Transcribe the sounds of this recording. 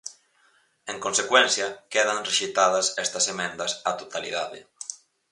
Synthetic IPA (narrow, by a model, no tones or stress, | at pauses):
eŋkonsekwɛnθjɐkeð̞anreʃit̪að̞ɐsɛst̪ɐsemẽnd̪asat̪ot̪alḭðaðḛ